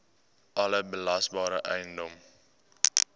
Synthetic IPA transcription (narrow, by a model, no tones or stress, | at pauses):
ʔɐləbəlɐsbɑːɾəʔɛjndɔm